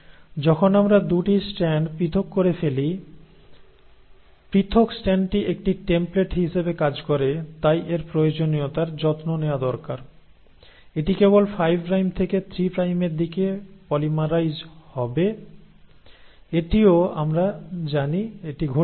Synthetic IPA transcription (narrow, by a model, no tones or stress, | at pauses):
d͡ʑɔkʰonamɾad̪uʈisʈɛɳɖpɾit̪ʰokːoɾefeli | pɾit̪ʰoksʈɛɳɖʈiʔek̚ʈiʈempleʈɦiʃebekad͡ʑkɔɾet̪ajʔeɾpɾojod͡ʑonijot̪aɾd͡ʑɔt̪nonead̪ɔɾkaɾ | eʈikebolfajbʱpɾajmt̪ʰeket̪ʰɾipɾajmeɾd̪ikepɔlimaɾajd͡ʑhɔbe | eʈioa̰mɾad͡ʑanieʈiɡʱo